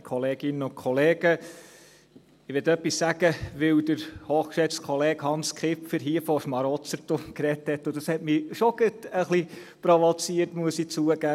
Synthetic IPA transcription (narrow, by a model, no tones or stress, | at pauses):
kʰɔleːɡ̥ɪnəʊkʰɔleːɡ̥ə | ɪʋɛtœpːissæɡ̥əʋɪwd̥əɾhoːχkʃɛt͡stkʰχɔleːɡhɑnskχɪpfɪɾɦiəfɔʃmɑɾɔt͡səɾtokɾɛthɛtːʊd̥ɑshɛtmiʃoɡ̥ətəχli | pɾoʋɔt͡siəɾtmuəsit͡suəɡæː